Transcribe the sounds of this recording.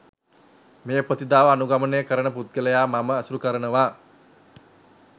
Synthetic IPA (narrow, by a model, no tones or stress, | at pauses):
meːəpɾət̪id̪aːʋəanuɡamənəjəkəɾənəput̪̚ɡələjaːmaməːsuɾukəɾənəʋaː